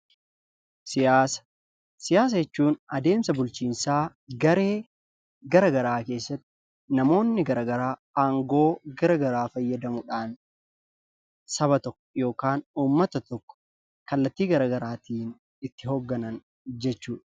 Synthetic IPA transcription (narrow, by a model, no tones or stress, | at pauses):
sɪjaːsɐ̥ | sɪjaːs̬ɐjɛt͡ʃːuːnɐd̪e̞ːmsɐbʊlt͡ʃiːnsaː | ɡɐɾe̞ː | ɡɐɾɐɡɐɾaːke̞ːsːɐt̪ːɪ̥ | nɐmo̞ːnːɪɡɐɾɐɡɐɾaːɐŋɡo̞ːɡɐɾɐɡɐɾaːfɐjːɐd̪ɐmʊᶑaːn | sɐβɐt̪ɔkːɔ̥jo̞ːkaːnuːmːɐt̪ɐt̪ɔkːɔ̥ | kɐlːɐt̪ːiːɡɐɾɐɡɐɾaːt̪iːn | ɪt̪ːɪɦɔɡːɐnɐn | d͡ʒɛt͡ʃːuːᶑɐ̥